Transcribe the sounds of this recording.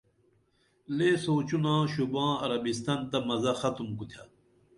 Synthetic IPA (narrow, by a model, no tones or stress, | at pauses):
leːsoːt͡ɕunãːɕubãːɐɾɐbist̪ɐnt̪ɐmɐzɐxɐt̪umkut̪ʰja